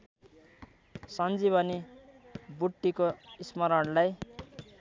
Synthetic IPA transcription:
sʌnd͡zibʱʌni | buʈːikoismʌɾʌɽlaj

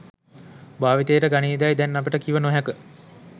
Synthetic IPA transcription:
baːʋit̪eːʈəɡaniːd̪ajd̪ɛnːapəʈəkiʋənoɦɛkə

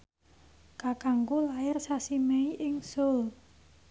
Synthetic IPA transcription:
kakaŋkulaɪrsasimeiʔɪŋsol

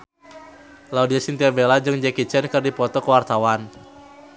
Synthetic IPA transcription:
laudiasint̪iabelad͡ʒɨŋd͡ʒɛkit͡ʃɛnkɨrdipɔt̪ɔkəwart̪awan

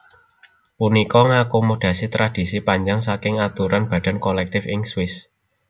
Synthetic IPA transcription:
punikɔŋakomoɖ̥ä̤sit̪ɾad̥i̤sipaɲd͡ʒaŋsakɪŋat̪uɾanb̥ä̤d̥a̤nkolɛk̚t̪ɪfɪŋswɪs

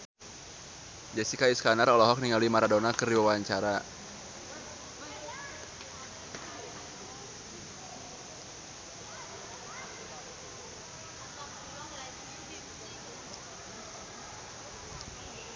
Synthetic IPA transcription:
d͡ʒɛsikaiskanaɾɔlɔɦɔk̚niŋaluimaɾadɔnakərdiwawaɲt͡ʃaɾa

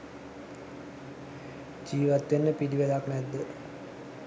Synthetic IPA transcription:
d͡ʒiːʋat̪ːenːəpidiʋelaknɛd̪ːə

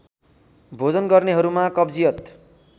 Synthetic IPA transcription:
bʱod͡zʌnɡʌrneɦʌɾumakʌbd͡zijʌt̪

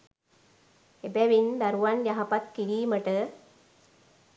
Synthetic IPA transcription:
ebɛʋind̪aɾuʋanjaɦapat̪̚kiɽiːməʈə

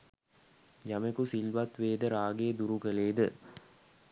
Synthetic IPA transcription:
jɐmekusilʋɐt̪ʋeːd̪əɾaːɡeːd̪uɾukəleːd̪ə

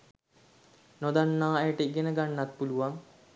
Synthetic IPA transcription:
nod̪anːaːajəʈəiɡenəɡanːat̪̚puluʋaŋ

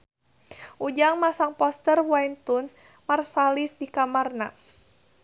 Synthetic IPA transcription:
ʔud͡ʒaŋmasaŋpɔst̪ərwajnt̪un | marsalisdikamarna̰

